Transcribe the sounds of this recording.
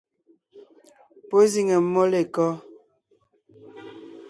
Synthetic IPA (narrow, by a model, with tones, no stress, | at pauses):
po˦zi˦ŋɛ˨m̩˦mɔ˦le˨kɔ˦